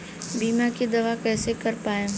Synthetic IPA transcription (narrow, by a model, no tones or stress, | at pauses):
biːmakid̪ɐʋakɛːsekɐɾpaːe